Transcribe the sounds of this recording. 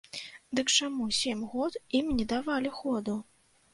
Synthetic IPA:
d̪ɨkt͡ʂamusʲemʲɣɔt̪imnʲɛd̪avalʲixɔd̪u

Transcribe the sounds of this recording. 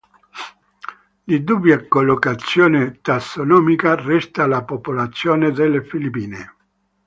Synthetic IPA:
d̪id̪ubjakolːokat̪sːjoːnet̪asːonɔːmikarɛst̪alapopolat̪sːjoːned̪elːefilipːiːne

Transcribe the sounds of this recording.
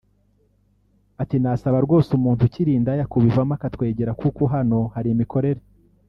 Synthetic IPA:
atinasaβaɾɡo̞ːsumuːntuciɾiːndajakuβivamakatwe̞ːɟe̞ɾakukoɦano̞haɾimiko̞ɾe̞ɾe

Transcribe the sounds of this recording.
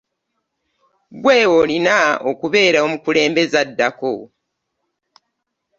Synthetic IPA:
ɡwe̞ːwolinaokuβe̞ːɾaomukule̞ːmbe̞zadːako

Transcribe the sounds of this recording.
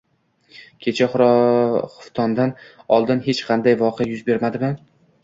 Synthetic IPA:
kʲʰe̞t͡ʃʰaχʊɾχʊft̪ʰɒnd̪anɒlˠd̪ɪnɦet͡ʃqʰɑnd̪ajvɒqʰejajʊzbe̞ɾmad̪ɪmɪ

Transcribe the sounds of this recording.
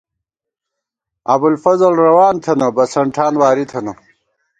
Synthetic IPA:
ɐbulfɐzɐlɾɐwaːnt̪ʰɐnɐbɐsɐɳʈʰaːnwaːɾit̪ʰɐnɐ

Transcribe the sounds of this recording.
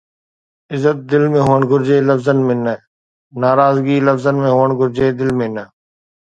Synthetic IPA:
ɪzət̪̚d̪ɪlmẽːɦoːəɳɡʱʊɾd͡ʒeːləfzənmɪ̃nə | naːɾaːzɡiːləfzənmẽːɦoːəɳɡʱʊɾd͡ʒeːd̪ɪlmẽnə

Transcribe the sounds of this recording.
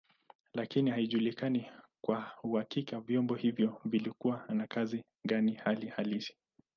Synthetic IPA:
lakinihaiʄulikanikwahuhakikavjɔmbɔhivjɔvilikuwanakazi | ɡanihalihalisi̥

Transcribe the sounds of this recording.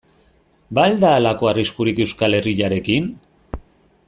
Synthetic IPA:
bald̪aːlako̞ariskuɾike̞wskale̞riʎaɾe̞kin

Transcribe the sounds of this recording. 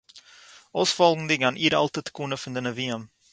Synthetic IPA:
ɔsfɔlˠənd̪əɡɐnʔiɾɐ̰lˠt̪ət̪kunəfəndənəviəm

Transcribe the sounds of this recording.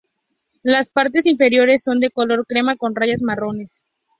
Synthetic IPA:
laspaɾt̪e̞siɱfe̞ɾjo̞ɾe̞sːo̞nd̪e̞kolo̞ɾkɾe̞mako̞nraʝazmaro̞ne̞s

